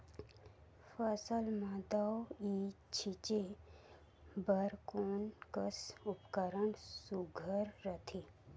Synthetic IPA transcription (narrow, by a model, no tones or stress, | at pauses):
fəsəlmad̪awiː | t͡ʃʰit͡ʃe | bəɾkoːnkəsʊpkəɾəɳsuɡʱəɾːət̪ʰi